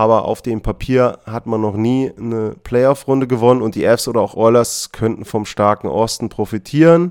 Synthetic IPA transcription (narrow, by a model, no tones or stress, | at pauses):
ʔaːbɐʔa̰ʊfd̥eːmpʰapʰiːɐhatmanːɔχniːnəpʰl̥ɛɪɔfʁʊndəɡəvɔnənʊnt̚d̥iːʔɛfsʔoːdɐaʊxʔɔʏlɐskʰœntn̩fɔmʃtaɐkŋ̩ʔɔstn̩pʁ̥ofitʰiːʁən